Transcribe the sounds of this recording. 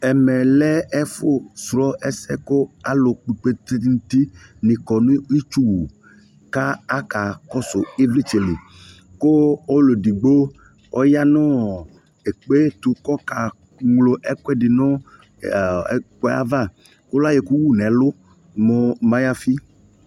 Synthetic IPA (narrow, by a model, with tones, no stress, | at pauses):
ɛ˨mɛ˨lɛ˦ɛ˦fʊ˦sɾɔ˦ʔɛ˦sɛ˦kʊ˦a˦lʊ˨k͡pi˨k͡pe˦t̪i˦n˦t̪i˦nɪ̃˨kɔ˨nʊ̃˦i˦t͡ʃu˦wu˨ | ka˦a˦ka˨kɔ˦sʊ˨i˦vli˦t͡ʃe˨li˨ | ko˦o˦lo˨di˨ɡ͡bo˦ | ɔ˦ja˦nʊ˦ | e˨k͡pe˦t̪ʊ˨˦kɔ˦ka˨ | ŋlo˨ʔɛ˦kwɛ˦dɪ˨nʊ˦˨˦ | k͡pɛ˦a̰˦va˦˨ | kʊ˦la˦je˨ku˦wu˦nɛ˨˦lʊ˦ | mɔ˨mã˦ja˦fi˦